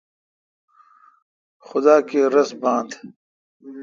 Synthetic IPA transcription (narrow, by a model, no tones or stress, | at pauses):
xʊd̪aːkeɾɐsbãːnd̪